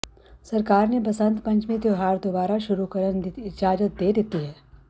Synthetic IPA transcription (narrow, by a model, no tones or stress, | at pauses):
sɐɾkaːɾnepɐsə̃nt̪pɐ̃ɲt͡ʃmẽd̪joɦaːɾd̪obaːɾaʃʊɾukɐɾənd̪ɪɪd͡ʒaːd͡ʒət̪̚d̪eːd̪ɪt̪iɦɛː